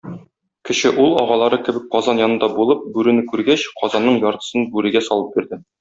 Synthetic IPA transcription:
kɘ̆ɕɘʔulˠɒ̰ʁɑlˠɑɾɤkɘ̆bɘk̚qɒzɑnjɒnɤ̆nd̪ɑbulˠɤp̚bʉɾɘ̆nɘkʉɾɡæɕqɒzɑnːɤɴjɒɾt̪ɤ̥̆sɤnbʉɾɘ̆ɡæsɒlˠɤp̚biɾd̪ɘ

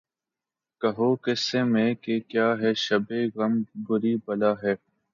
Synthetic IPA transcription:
kɐɦoːkɛsemẽkekjaːɦɛːʃɐbeːɣɐmɡʊɾiːbɐlaːɦɛː

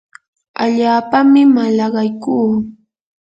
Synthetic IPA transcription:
a̰ʎaːpamɪmalɑɢɑjkuː

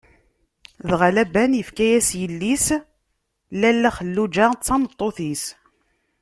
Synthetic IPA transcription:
ðʁælæbænjəfkæjæsjəlːis | lælːæχəlːud͡ʒaʁt͡sːɑmət̪ˤːoθis

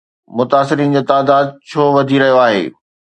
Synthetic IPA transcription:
mʊt̪aːsɪɾiːnd͡ʑoːt̪aːd̪aːd̪̚t͡ɕʰoːʋɐd̪ʱiɾɐɦijoaːɦḛː

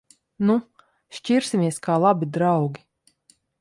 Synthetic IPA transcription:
nu | ʃciɾsʲimʲiɛskaːlˠabid̪ɾawɡʲi

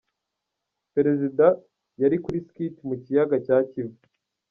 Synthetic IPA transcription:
pe̞ɾe̞zida | jaɾikuɾiskitimucijaɡacaːcivu

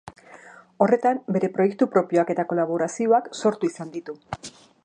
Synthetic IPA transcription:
o̞re̞t̪ambe̞ɾe̞pɾo̞je̞k̚t̪upɾo̞pio̞ake̞t̪ako̞laβ̞o̞ɾasio̞akso̞ɾt̪uisand̪it̪u

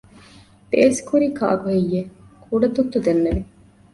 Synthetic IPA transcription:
peːsi̥kuɾiːka̰ːɡuɦejːe | kʰuɖɐt̪ut̪ːud̪enːeʋi

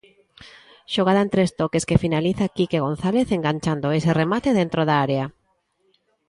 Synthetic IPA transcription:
ʃoɣaðaẽnt̪ɾest̪okeskefinaliθakikeɣ̞õn̟θaleθeŋɡaɲt͡ʃand̪oeseremat̪eðent̪ɾoðaaɾea

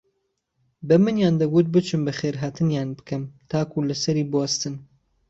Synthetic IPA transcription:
bɨmɨnjaːnd̪ɐɡut̪̚bɨt͡ʃʰɨmbɨxeːɾɦaːt̪ʰɨnjaːnbɨ̥kɨmt̪ʰaːkulɨsɐɾiːbuast̪ɨn

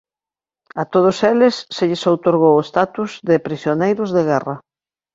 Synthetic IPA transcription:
at̪oð̞ʊselɪsːeʎɪsowt̪oɾɣ̞owest̪at̪uzðɪpɾisjonejɾʊzðeɣɛrɐ

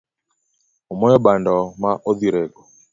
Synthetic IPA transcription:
ɔmɔjɔbandɔmaʔoðiɾɛɡɔ

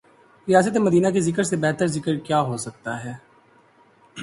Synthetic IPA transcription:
ɾijaːs̬ət̪̬emɐd̪iːnakezɪkəɾsebɛɦt̪əɾzɪkəɾkjaːɦosɐk̚t̪aɦɛː

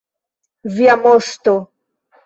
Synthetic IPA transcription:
viamost̪o

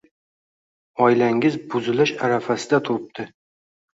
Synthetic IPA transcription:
ɒjlaŋɪzbʊzɪlɪʃaɾafasɪd̪at̪ʰʊɾɪp̚d̪̥ʰɪ

